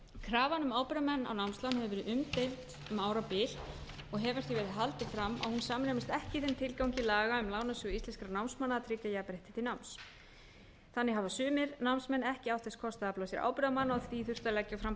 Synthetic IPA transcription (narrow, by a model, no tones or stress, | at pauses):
kʰɾaːvanʏmaːwpɛɾamɛnːa̰wnawmslawnhɛvʏvɛːɾɪðʏmt̪ejmt̪ | maːwɾapɪl | ɔɣɦɛvaɾ̥t̪ivɛːɾɪðɦalt̪ɪfɾamːa̰whunsaːmnemɪst̪ɛhcɪθɪnt̪ʰɪlkawɲcɪlaːɣaʏmlaːwnasʏɣist̪ɛnskɾanawmsmanːaðat̪ʰɾɪcːajapɾejht̪ɪ̥t̪ʰɪlnawms | θanːɪɦavasʏːmɪɾnawmsmɛnːɛhcɪawt̪θɛskʰɔst̪aaplawasjɛɾa̰wpɛɾamanːaɔθviθʏr̥t̪alɛcːafɾam